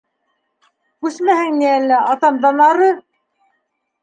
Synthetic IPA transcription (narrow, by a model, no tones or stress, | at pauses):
kʉsmæhɘŋniælːæɑt̪ɑmd̪ɑnɑɾɤ